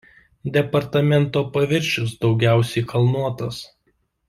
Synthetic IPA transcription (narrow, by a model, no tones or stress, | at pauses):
d̪ʲɛpɐɾt̪ɐmʲɛnt̪oːpɐʋʲɪɾʲʃʲʊsd̪ɒʊɡʲæˑʊsʲɛɪkʰɐlˠnuɔt̪ɐs